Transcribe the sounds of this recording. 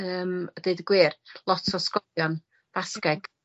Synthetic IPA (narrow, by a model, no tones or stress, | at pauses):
əːmədeɨdəɡwɪːrlˠɔtʰɔskɔljɔn | v̥askɛɡ̥